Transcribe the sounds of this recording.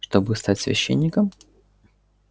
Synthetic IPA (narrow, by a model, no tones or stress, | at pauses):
ʂt̪obɨst̪atʲsvʲɪ̰ɕːḛnʲːɪkəm